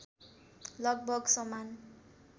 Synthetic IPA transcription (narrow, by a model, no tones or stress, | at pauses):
lʌɡ̚bʱʌɡsʌman